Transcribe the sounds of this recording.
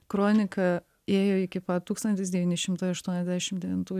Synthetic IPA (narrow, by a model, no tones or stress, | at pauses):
kɾoːnʲɪkɐ | eːjoːɪkʲɪpɐt̪uːkst̪ɐnt̪ʲɪsd̪ʲɛʋʲiːnʲɪʃʲɪmt̪ɐɪɐʃt̪uɔnʲɛzd̪ʲæːʃʲɪmd̪ʲɛʋʲɪnt̪uː